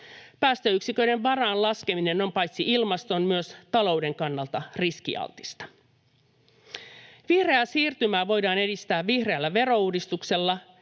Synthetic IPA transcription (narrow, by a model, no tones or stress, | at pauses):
pæːst̪ø̞yksikø̞jde̞ʋʋɑrɑːnlɑske̞mine̞no̞mpɑjt̪siʔilmɑst̪onmyøst̪ɑlo̞wde̞ŋkɑnːɑlt̪ɑriskḭɑ̰lt̪i̥st̪ɑ̥ | ʋihre̞æsiːrt̪ymæːʋo̞jdɑːne̞dist̪æːʋʋihre̞ælːæʋe̞ɾo̞uːdist̪ukse̞lːɑ